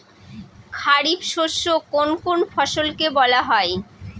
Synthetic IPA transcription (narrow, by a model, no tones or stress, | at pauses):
kʰaɾibʃoʃːokonkonfɔʃolkebɔlaɦɔe